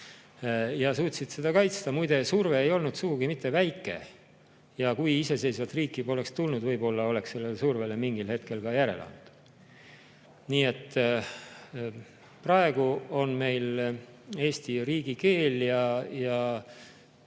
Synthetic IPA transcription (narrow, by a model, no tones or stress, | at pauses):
jɑsuːt̪sit̪sed̪̥ɑkɑjt̪st̪ɑmujd̪̥e̞surve̞ːjo̞lnud̪suɡ̥uɡimit̪ːe̞væjkːˑe̞̰ | jɑkujise̞se̞jsvɑt̪riːkːˑibo̞le̞kst̪ulnud̪vɤ̞jbo̞lːɑo̞le̞ksse̞lːelesurve̞le̞miŋɡilhe̞t̪ke̞lkɑjæɾe̞̰lɑ̰nt̪ːu̥d̪̥ | niːe̞t̪ːˑ | prɑe̞ɡ̥uo̞nme̞jl | e̞ːst̪iriːɡ̥ike̞ːljɑjɑ